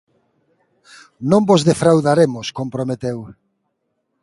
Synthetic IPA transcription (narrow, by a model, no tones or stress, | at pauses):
nõmbozðefɾawðaɾemʊskompɾomet̪ew